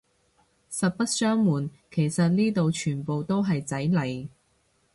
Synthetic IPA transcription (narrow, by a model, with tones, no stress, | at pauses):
sɐ˨t̚pɐ˥t̚sœː˥ŋmuː˨˩n | kʰe˨˩jsɐ˨t̚niː˥t̪o˨˧wt͡ʃʰyː˨˩npo˨wt̪o˥wɦɐ˨jt͡sɐ˨˥jlɐ˨j